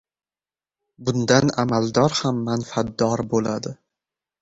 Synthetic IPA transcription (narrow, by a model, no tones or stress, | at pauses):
bʊnd̪anamalˠd̪ɒɾhamːanfat̪ːɒɾbolad̪ɪ